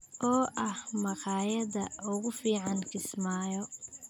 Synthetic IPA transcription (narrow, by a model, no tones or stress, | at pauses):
ʔɔːʔɐhmɑqɑːjɐðɐʊɣʊfiːʕɑnkʰɪsmaːjɔ